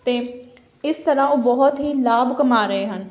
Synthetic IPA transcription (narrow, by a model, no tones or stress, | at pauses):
t̪eː | ɪst̪əɾãːoːbɔɦʊt̪ɦiːlaːbkəmaːɾəɦeːɦən